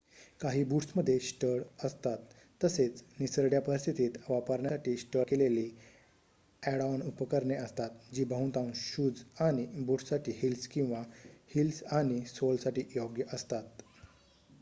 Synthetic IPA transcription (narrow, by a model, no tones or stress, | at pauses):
kaɦiːbuʈsməd̪ʱːjeɕʈəɽəst̪at̪ː | əset͡snisəɾɖjapəɾist̪ʰit̪iːt̪ʋapəɾɳjaʈiːɕʈəkeleliː | ɛɽanupəkəɾɳeəst̪at̪d͡ʑiːbəɦũt̪ãunɕuːd͡zaɽ̃ibuːʈssaʈʰiːhilskĩw̃ʋahilsaɽ̃isolsaʈiːjoɡjəʔəst̪at̪